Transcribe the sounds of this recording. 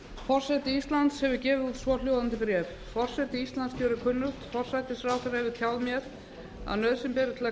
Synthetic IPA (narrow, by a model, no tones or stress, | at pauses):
fɔr̥sajt̪ɪist̪lant̪shɛvʏcɛːvɪðuðsvɔljowðant̪ɪpɾɛːf | fɔr̥sɛt̪ɪist̪lanscʰœːwɾɪkʰʏnːʏxt̪fɔr̥sajt̪ɪsɾaːwθɛɾahɛvɪɾt̪ʰjawðmjɛɾ | a̰ðnœðsɪmpɛːɾɪt̪ʰɪla